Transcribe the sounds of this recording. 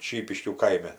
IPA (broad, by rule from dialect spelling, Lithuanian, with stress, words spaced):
ˈʃʲiːpʲɪʃʲkʲuː ˈkɐɪmʲɛ